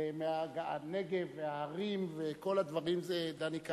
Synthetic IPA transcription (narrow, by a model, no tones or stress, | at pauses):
meaɡaaneɡevːeaːʁimveko̞lad̪vaʁimzed̪anika